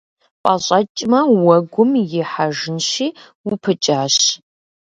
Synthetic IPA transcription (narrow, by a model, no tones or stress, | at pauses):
pʼaɕʷʼɐt͡ʃʼmɐwɐɡʷʊmjɪħaʒɪnʃiː | wʊpʰɨt͡ʃʼaːɕ